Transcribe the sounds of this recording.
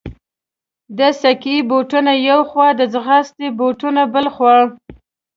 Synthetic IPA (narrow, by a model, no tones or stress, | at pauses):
d̪əsakiiboʈunajawxwɑd̪əd͡zɣɑst̪eboʈunabəlxwɑɻ